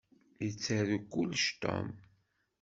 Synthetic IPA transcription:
jət͡sːəðukːulʃt̪o̰m

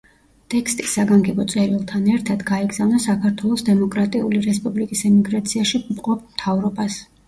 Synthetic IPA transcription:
t̪ʼɛkʰst̪ʼisːaɡaŋɡɛbɔt̪sʼɛɾilˠt̪ʰanɛɾt̪ʰad̪ɡaɛɡz̥avnasakʰaɾt̪ʰwɛlˠɔsd̪ɛmɔkʼɾat̪ʼiuliɾɛspʼublikʼisɛmiɡɾat̪sʰiaʃiupʼqʼɔp̚ʰmt̪ʰavɾɔbas

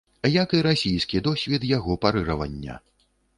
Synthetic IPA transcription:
jɐkiɾasʲijskʲid̪ɔsʲvʲɛd̪jaɣɔpaɾɨɾɐvɐ̰nʲːɐ̰

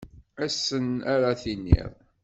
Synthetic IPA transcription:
æsːənæɾaθinːḭðˤ

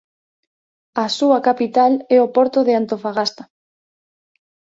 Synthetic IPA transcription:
asuakapit̪alɛopɔɾt̪oðeant̪ofaɣast̪a

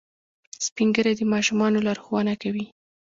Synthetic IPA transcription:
spiŋɡəɾad̪əmɑʃumɑnolɑɾxwɑnakawi

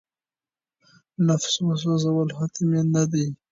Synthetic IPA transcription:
nafsmas̬ozawəlhat̪mjenad̪i

